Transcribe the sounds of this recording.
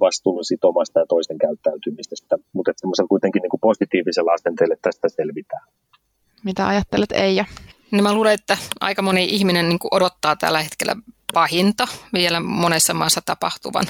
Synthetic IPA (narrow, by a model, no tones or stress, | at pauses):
ʋɑst̪uːlːusit̪omɑst̪ɑjɑt̪oiseŋkæyt̪ːæyt̪ymist̪æsi̥t̪ːæmut̪et̪semːoselkuit̪eŋkiniŋkuposit̪iːʋiselɑsent̪elet̪ːæsi̥t̪æselʋit̪æː | mit̪æɑjɑt̪ːelet̪ḛijɑnimmæluːleet̪ːæʔɑ̰ikɑmoniʔihminenniːŋkuʔodot̪ːɑːt̪æ̰lːæhet̪kelːæ̰pɑhint̪ɑʋielæmonesːɑmɑːsːɑt̪ɑpɑht̪uʋɑ̰n